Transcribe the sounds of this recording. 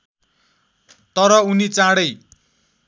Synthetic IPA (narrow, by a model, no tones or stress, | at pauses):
t̪ʌɾʌunit͡sãɽʌj